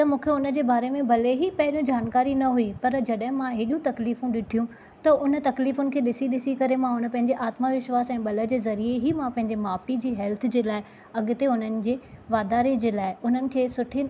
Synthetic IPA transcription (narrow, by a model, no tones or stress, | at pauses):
t̪ɐmũːkʰeʊnə̆d͡ʑeːbaːɾemẽbʱɐleɦipɐɦɪɾijũd͡ʑaːnkaːɾinɐɦuipɐɾd͡ʑɐɗɦɪ̃mãɦeːɗijũt̪ɐkliːfũɗɪʈʰijũ | t̪ɐʊnət̪ɐkliːfʊnɪ̆kʰeːɗɪsiɗɪsikɐɾemãʊnə̆pɐ̃ɦɪ̃ɲd͡ʑeʔaːt̪maʋɪʃʋaːsɛ̃ːɓɐlə̆d͡ʑeːzɐɾieɦimãpɐ̃ɦɪ̃ɲd͡ʑemaːpid͡ʑiːɦɛlt̪ʰd͡ʑeːlaːɪ | ɐɠʊt̪eʊn̤ənɪ̆d͡ʑeːʋaːd̪aːɾed͡ʑeːlaːɪʊn̤ənɪ̆kʰeːsʊʈʰe